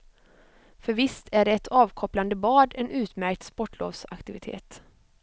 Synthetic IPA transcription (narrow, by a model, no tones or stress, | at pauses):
fœɾvɪst̪ʰæɖɛɛt̪ʰɑːvkʰɔpland̪əbɑːd̪ɛnʉ̟ːt̪mæɾk̚t̪spɔʈːlo̰ːvsa̰kt̪ɪvɪt̪ʰḛːt̪